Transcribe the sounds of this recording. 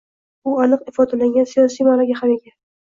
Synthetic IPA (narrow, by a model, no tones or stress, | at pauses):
ʊanɨqɪfɒd̪alaŋɡʲansijɒsijmaɾaɡʲahaɾeɡʲa